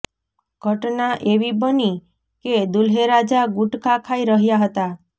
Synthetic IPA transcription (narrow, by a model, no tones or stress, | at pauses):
ɡ̥ʱɔʈnaʔeʋibɔni | ked̪ulɦeɾad͡ʒaɡuʈkakʰajɾəɦjaɦɔt̪a